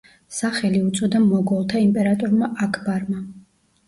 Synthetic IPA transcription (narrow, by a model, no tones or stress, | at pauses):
saχɛliut̪sʼɔd̪amɔɡɔlˠt̪ʰaimpʼɛɾat̪ʼɔɾmaʔakʰbaɾma